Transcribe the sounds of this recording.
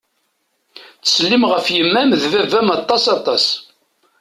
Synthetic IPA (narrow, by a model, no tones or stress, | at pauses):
t͡sə̥slːimʁəfjəmːæmðvævæmɑt̪ˤːɑsɑt̪ˤɑs